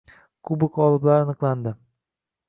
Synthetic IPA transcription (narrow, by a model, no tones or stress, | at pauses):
kʰʊbɪkɒlˠɪblaɾanɨqlˠand̪ɪ